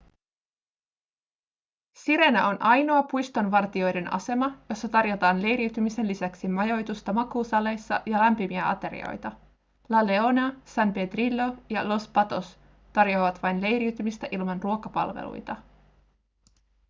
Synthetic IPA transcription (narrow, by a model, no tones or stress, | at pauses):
siɾe̞næo̞nʔɑjno̞ɑpujst̪o̞nʋɑrt̪io̞jde̞nʔɑ̰se̞mɑjo̞sːɑt̪ɑrjo̞t̪ɑːnle̞jɾiwt̪ymise̞nlːisæksimɑjo̞jt̪ust̪ɑmɑkuːsɑle̞jsːɑ̰jɑlæmpimiæɑ̰t̪e̞ɾḭo̞̰jt̪ɑ | lɑleo̞nɑsæmpet̪rilːo̞jɑlo̞spɑt̪o̞s | t̪ɑrjo̞ːʋɑt̪ʋɑjnle̞jɾiwt̪ymist̪æʔilmɑnruo̞kɑpɑ̰lʋḛlṵjt̪ɑ